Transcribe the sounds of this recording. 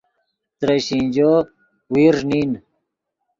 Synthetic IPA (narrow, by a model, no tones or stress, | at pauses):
t̪ɾeɕĩnd͡ʑoː | wiːɾnin